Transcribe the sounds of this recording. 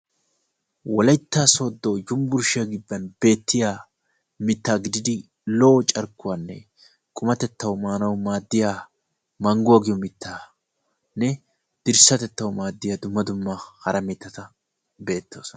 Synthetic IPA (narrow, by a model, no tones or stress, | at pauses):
wɔlɐjt̪ːaːso̞ːd̪ːo̞ːd͡ʒʊmbʊɾʃɪjɐɡɪbːɐnb̥e̞ːt̪ʰːɪjaː | mɪt̪ːaːɡɪd̪ɪd̪ɪ | loːt͡ʃʼɐɾkʊwaːnːɛ̰ | kʼʊmɐt̪ɛt̪ːɐwʊmaːnɐwmaːd̪ːɪjaː | mɐŋɡʊaɡɪjɔmɪt̪ʰːaː | nːɛ | d̪̥ɪɾsɐt̪ɛt̪ːɐwmaːd̪ːɪjaːd̪ʊmːɐd̪ʊmːahɐɾɐmɪt̪ːɐt̪ɐ | be̞ːt̪ːo̞ːsɔnɐ